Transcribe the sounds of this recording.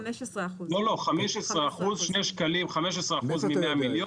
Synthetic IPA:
lolo̞χameʃesʁeaχuzʃneʃkalimχameʃ̬esʁeaχuzmimeamiljo

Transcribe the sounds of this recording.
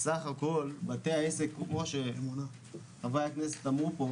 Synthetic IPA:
saχako̞lbat̪eaesekkmoʃeemuna | avajaknese̥t̪amʁupo

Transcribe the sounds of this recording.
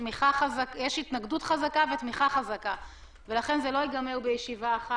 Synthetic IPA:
miχaχazakjeʃit̪naɡdutχazakavetmiχaχazaka | velaχe̞nzelo̞iɡamewbejeʃivaːχa

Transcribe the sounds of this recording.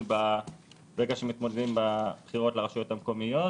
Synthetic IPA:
ba | beɡaʃemit̪mo̞d̪ed̪imbab̥χiʁo̞tlaʁaʃujo̞t̪hamko̞mijo̞

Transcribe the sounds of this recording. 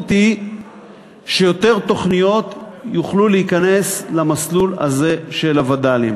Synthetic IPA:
t̪i | ʃe̞jo̞t̪e̞ʁt̪o̞χnijo̞t̪juχluleikane̞slamaslula̰ze̞ʃelavad̪alim

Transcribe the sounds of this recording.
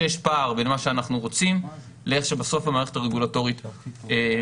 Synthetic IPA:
jeʃpaːʁbenmaʃeanaχnuʁo̞t͡sim | leeχʃebaso̞famaːʁeχetaʁeɡulato̞ʁite

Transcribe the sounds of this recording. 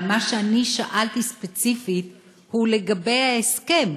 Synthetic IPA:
maʃeaniʃaʔalt̪ispet͡sifit̪ | hule̞ɡabe̞jhaeske̞m

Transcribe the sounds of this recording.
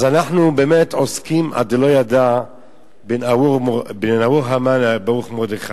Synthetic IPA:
azanaħnubemet̪ʕoskimʔa̰d̪elojad̪a | benaubnenawuɣɦamanbauχmod̪iχa

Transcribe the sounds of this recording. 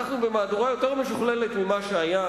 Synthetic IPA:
aχnube̞maːduʁajo̞t̪eʁme̞ʃuχle̞le̞t̪mimaʃeaja

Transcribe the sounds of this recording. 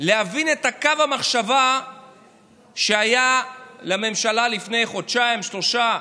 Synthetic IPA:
leavine̞takavamaχʃava | ʃeajalame̞mʃalalifne̞jχo̞dʃaimʃlo̞ʃa

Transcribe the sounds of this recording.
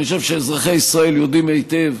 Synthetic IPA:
oʃevʃeːzʁaχejisʁae̞ljod̪imejt̪ev

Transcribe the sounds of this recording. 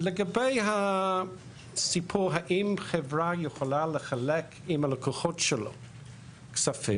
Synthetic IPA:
ləɡabejha | sipʰuːɦaʔɪmxɛvɾajəxɔlaləxalɛkʰ | ɪmalɔkʰoxɔtʃəlo̰ | ksafɪ

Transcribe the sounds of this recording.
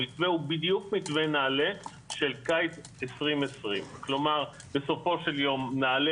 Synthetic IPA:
it̪veubidjukmitvenaːle | ʃe̞lkajt̪ | esʁimesʁimklo̞maʁ | be̞so̞fo̞ʃe̞ljo̞mnaːle

